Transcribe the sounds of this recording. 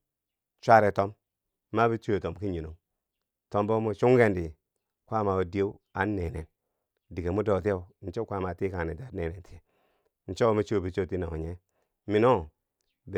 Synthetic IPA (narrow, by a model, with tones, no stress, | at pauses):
t͡ʃʷa˦ɾe˨to˦mː | a˦bi˦t͡ʃu˦e˨to˨mki˦ɲi˨no˨ | to˦mbo˦mu˨t͡ʃu˦ŋɡe˦ndi˨ | kʷa˦ma˨u˨di˦e˦wa˨˦nːe˨ne˨n | di˨ke˨mu˦do˨t̬e˦u˨n̩˦t͡ʃo˦kʷa˦˨ma˨ti˦ka˨e˨ta˨˦ne˨ne˨nti˨e˨ | n̩˨˦t͡ʃo˦mu˦t͡ʃu˦˨bi˨t͡ʃo˦˨ti˦na˨ŋo̰˨ɲe˦ | mi˨no˦˨ | b